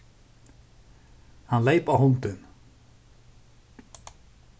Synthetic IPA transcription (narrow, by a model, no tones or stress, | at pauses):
hanlejpawhɔnt̪ʏn